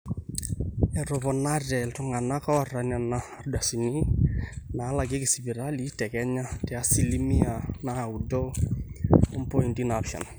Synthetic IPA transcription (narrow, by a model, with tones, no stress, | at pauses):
ɛ˨ɾɔ˨βɔ˨na˦dɛ˨ltʊ˨ŋa˨na˦kɔ˦˨ra˨na˨naa˨rda˨si˨ni˦ | na˨˦la˨ɡɪ˦kɪ˨si˨bi˨ɾa˦li˦tɛ˨kɛ˦ɲa˦tɛ˨a˦si˨li˦mi˦a˨na˨u˨do˦ | ɔ˦mpo˦i˨ndi˦napʃa̰˨n